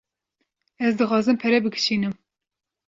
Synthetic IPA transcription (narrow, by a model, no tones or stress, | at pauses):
ɛzd̪ɨxɑːzɨmpʰɛɾɛbɨɡʰɨ̥ʃiːnɨm